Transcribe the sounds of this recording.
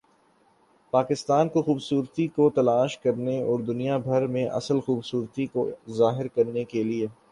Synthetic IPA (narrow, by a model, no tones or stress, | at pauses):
paːkɪst̪aːnkoxuːbsuːɾt̪ikot̪ɐlaːʃkɐɾneɔːɾd̪ʊnijabʱɐɾmẽʔɐ̰səlxuːbsuːɾt̪ikozaːɦɪɾkɐɾnekelie